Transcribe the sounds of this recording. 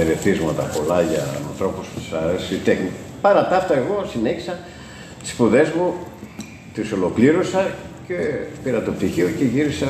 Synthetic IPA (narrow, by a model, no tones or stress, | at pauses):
eɾeθizmɐt̪ɐpo̞lɐʝɐnɐ̰nθɾo̞post̪i̥sɐɾesit̪exni | pɐɾɐt̪ɐft̪ɐe̞ɣo̞sineçi̥sɐ | t̪i̥spuðe̞zmu | t̪iso̞lo̞kliɾo̞sɐcepiɾɐt̪op̚t̪içioceʝiɾisɐ